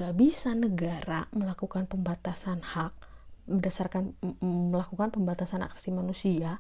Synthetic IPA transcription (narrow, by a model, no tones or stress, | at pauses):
ɡabisanəɡaɾaməlakukanpəmbat̪asanhak̚bərdasarkanməlakukanpəmbat̪asana̰kse̥simanusia